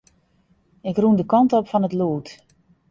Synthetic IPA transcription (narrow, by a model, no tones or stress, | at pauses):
ɪkrundəkɔntopfɔnətluːt